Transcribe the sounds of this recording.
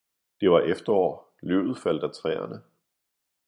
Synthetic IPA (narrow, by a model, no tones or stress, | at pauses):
d̥e̝ʋɑ̈ʔefd̥ɐɒ̰ː | lø̰ːʊð̞̩ˠfæl̰d̥æt͡sʰʁɛ̰ːɐ̰nə